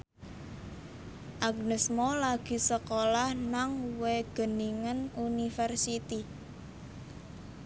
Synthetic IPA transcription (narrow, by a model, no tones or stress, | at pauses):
ʔaɡnəsmolaɡ̥i̤səkolahnaŋweɡ̥ə̤niŋənunifɛrsit̪i